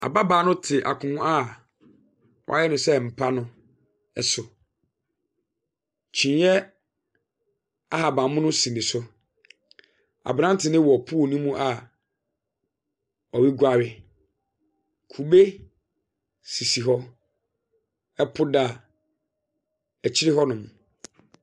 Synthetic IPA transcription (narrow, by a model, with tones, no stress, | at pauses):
a̰˨ba˦baː˨˦nʊ̃˦tʰɪ˨ʔa˨kʰʊ̃˨hʊ̃˦a˦ | wʔɔ̰˨a̰˨jɛ˦nʊ̃˨sɛ˦˨m̩˨pʰa˦nʊ̃˦ | ɛ˨sʊ˨ | t͡ɕʰĩ˨˦jɛ˦ | a˦ɦa˨bã˨mʊ̃˦nʊ̃˦sĩ˨mɪ̃˨sʊ˦ | a̰˨bã˦tʰɪ˨nɪ̃˦wɔ˨pʰu˦˨nũ˦mũ˦ʔa˨ | ɔ˨wi˦ɡʷa˨ɥɪ˨ | kʰu˨be˦ | si˨si˨ɦɔ˦ | ɛ˦pʰʊ˦da˦˨ | æ˨t͡ɕʰi˦ɾɪ˦ɦɔ˦nʊ̃˨mũ˨